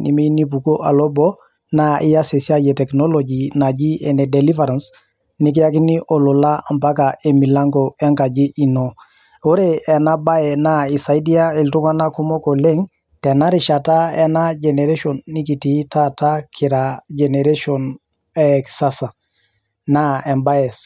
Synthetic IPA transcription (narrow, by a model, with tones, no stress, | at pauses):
nḭ˨mi˦ni˦p̬u˨ko˦ʔa˨lɔ˦bɔ˦ | na˦ʔi˦ja˦se˨si˦a˦jɛ˨tɛ˨knɔ˦lo˨d͡ʒi˨na˨d͡ʒi˦ɛ˨nɛ˨dɛ˨li˦va˨ɾa˨ns | ni˦k̬i˦a˦k̬i˦ni˦ʔɔ˨lo˨la˦˨mpa˦ka˨ʔe˨mi˨la˦ŋɡɔ˨ɛ˦ŋka˨d͡ʒi˦ʔi˨no˨ | o˦ɾeɛ˨na˦ba˦ɛ˨na˦i˨sa˨i˦di˦a˦e˨ltu˦ka˦na˦ku˦mɔ˦ko˨le˦ŋ | tɛ˨na˦ɾi˨ʃa˨ta˦ɛ˦na˦d͡ʒɛ˨nɛ˨ɾe˦ʃɔ˨nːi˦ki˨ti˨˦ta˦ta˦kʰi˨ɾad͡ʒe˨ne˨ɾe˦ʃɔ˨n | ɛksa˦sa˨ | na˦ɛ˨mba˦ɛ˨s